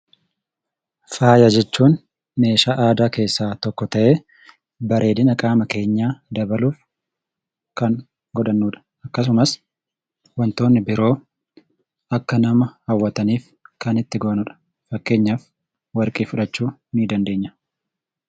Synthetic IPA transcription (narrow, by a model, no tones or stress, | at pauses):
faːjɐd͡ʒɛt͡ʃːuːn | me̞ːʃaːʔaːd̪aːke̞ːsːaːt̪ɔkːɔt̪ɐʔe̞ː | bɐɾʔe̞ːd̪ɪnɐkʼaːmɐke̞ːɲːaːd̪ɐbɐluːf | kɐŋ | ɡɔᶑɐnːuːᶑɐ̥ | ɐkːɐs̬ʊmɐs | wɐnt̪o̞ːnːɪbɪɾo̞ː | ʔɐkːɐnɐmɐhɐwːɐt̪ɐniːf | kɐnɪt̪ːɪɡoːnʊᶑɐ̥ | fɐkːe̞ːɲːaːf | wɐɾkʼiːfʊᶑɐt͡ʃːuːniːd̪ɐnd̪e̞ːɲːɐ̥